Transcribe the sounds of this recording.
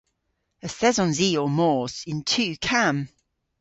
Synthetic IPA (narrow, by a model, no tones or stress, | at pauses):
əθɛzə̃nziːəmɔˑsɪ̃ntʰʉːkʰãm